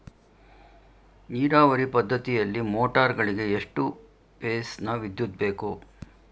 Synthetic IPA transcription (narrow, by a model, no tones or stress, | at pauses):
niːɾaːʋɐɾipɐd̪ʱːɐt̪ijɐlːimoːʈaːɾɡɐɭiɡe̞eʂʈu | peːsnɐʋid̪jud̪̚be̞ːku